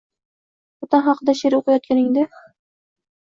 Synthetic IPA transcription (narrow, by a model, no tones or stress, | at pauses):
ɒt̪ɑnχɑqd̪aʃeɾɪoqɨjɒt̪̚kʲanɪŋd̪ɪ